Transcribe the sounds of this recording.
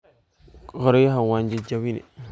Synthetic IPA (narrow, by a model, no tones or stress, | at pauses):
ɣəɾojɦawand͡ʒid͡ʒawinḭ